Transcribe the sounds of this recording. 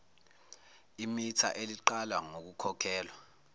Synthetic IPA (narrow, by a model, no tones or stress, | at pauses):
imitʰa̰ʔeliǃalwaŋok̬ukʰɔkʰɛːlwa